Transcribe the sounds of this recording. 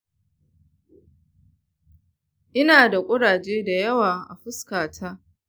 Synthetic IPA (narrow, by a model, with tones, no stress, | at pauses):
ʔɪ˦naː˨da˨kʷʼʊ˦ɽaː˨d͡ʒeː˦da˨jɐ˦waː˨ʔa̰˨ɸʊ˦skaː˨tʰaː˦